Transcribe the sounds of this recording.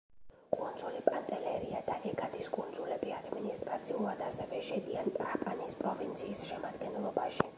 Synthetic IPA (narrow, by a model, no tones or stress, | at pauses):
kʼund̪zulipʼant̪ʼɛlɛɾiad̪aɛɡad̪iskʼund̪zulɛbiad̪minist̪ʼɾat̪sʰiulˠad̪asɛvɛʃɛd̪iant̪ʼɾakʼanispʼɾɔvint̪sʰiːsʃɛmad̪ɡɛnlˠɔbaʃi